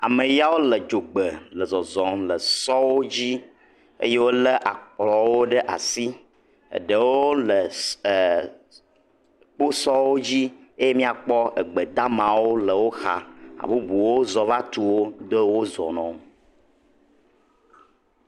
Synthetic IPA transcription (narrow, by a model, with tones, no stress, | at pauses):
a̰˨mə˨ja˦wo˦lə˨d͡ʒo˨ɡ͡bə˨lə˨zɔ˨zɔ̃˨lə˨sɔ˦wo˦d͡ʑi˦ | ḛ˦je˦wo˦lə˦ʔa˨k͡plɔ˨wo˦ɖə˦ʔa˨si˦ | ə̰˨ɖə˨wo˦lə˨ | k͡po˦sɔ˦wo˦d͡ʑi˦e˦je˦mĩ˦a˨k͡pɔ˦ʔə˨ɡ͡bə˨d̪a˦mã˨wo˦lə˨wo˦xa̰˨a̰˨bu˦bu˨wo˦zɔ˨va˦t̪u˦wo˦d̪o˦wo˦zɔ̰˨nɔ̃˨